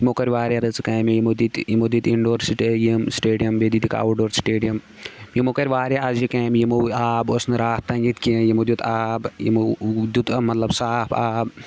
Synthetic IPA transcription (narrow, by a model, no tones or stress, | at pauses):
jimokɐɾʲʋaːɾʲeɾɐt͡sɨkɐmejimod̪it̪jimod̪it̪iɳɖoːɾsiʈejɐmsʈeːɖijɐmbed̪id̪ika̰ːwɖoːɾsʈeːɖijɐm | jimokɐɾʲʋaːɾʲeazjikɐːmjimoaːbosnɨɾaːht̪ːɐŋɡit̪ʲkijimod̪ʲut̪ʰaːbjḭmod̪ʲut̪ɐmɐt̪lɐbsaːpʰaːb